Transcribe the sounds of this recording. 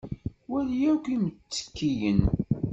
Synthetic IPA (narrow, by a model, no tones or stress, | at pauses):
wæljækʷimət͡sːə̥kːijən